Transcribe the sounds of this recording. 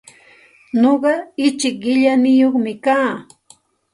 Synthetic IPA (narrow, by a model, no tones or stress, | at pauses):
ɲoɢɑɪt͡ʃɪk̚ɢɪʎanɪjoχmɪkaː